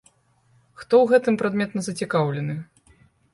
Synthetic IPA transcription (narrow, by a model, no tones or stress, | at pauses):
xt̪ɔwɣɛt̪ɨmpɾad̪mʲɛt̪nɐzɐt͡sʲikawlʲɛnɨ